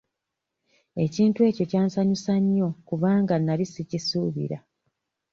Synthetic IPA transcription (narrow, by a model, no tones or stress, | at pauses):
e̞ciːntuwe̞ːco̞caːnsaɲisaɲːo̞kuβaːŋɡanːalisicisuːβḭɾa